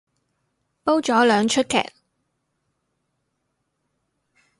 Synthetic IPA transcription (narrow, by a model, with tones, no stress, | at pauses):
po˥wt͡ʃɔː˨˥lœː˨˧ŋt͡ʃʰɵ˥t̚kʰɛ̰ː˨˩k̚